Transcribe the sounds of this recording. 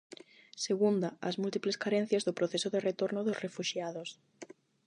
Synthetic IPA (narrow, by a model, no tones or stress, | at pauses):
seɣund̪aazmult̪ipleskaɾen̟θjazðopɾoθesoðeret̪oɾnoðosrefuʃjaðos